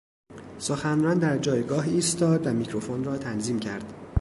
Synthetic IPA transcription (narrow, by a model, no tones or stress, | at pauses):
soxænrɒːnd̪æɾd͡ʒɒːjɡɒːɦiːst̪ɒːd̪væmicʰɾofonrɒːt̪ʰænziːmcʰæɾd̪̥